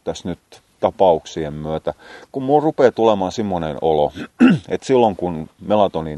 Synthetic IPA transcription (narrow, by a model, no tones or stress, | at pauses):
t̪æsnyt̪ | t̪ɑpɑuksiemmyøt̪ækummulrupeːt̪ulemɑːnsimːonenoloet̪silːoŋkunmelɑt̪oni